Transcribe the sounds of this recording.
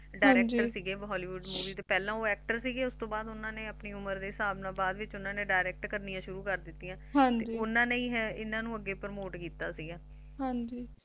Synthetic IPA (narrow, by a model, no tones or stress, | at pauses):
ɖaːɪɾɛːkd͡ʒʈəɾsiːɡeːɦɔːliːʋuɖmuːʋiːt̪eːpɛːlãːoːɛːk̚ʈəɾsiːɡeːʊst̪õːbaːd̪ʊnãːneːəpniːʊməɾd̪eːsaːbnãːbaːd̪ʋɪt͡ʃʊnãːnẽːɖaːɪɾɛːk̚ʈkəɾnijãːʃʊɾuːkəɾd̪ɪt̪ːiːãːɦãt̪ed͡ʒiːʊnãːneĩːɦɛːɪnãːnũːəɡːeːpəɾmoːʈkiːt̪aːsiːɡaː | ɦãːd͡ʒiː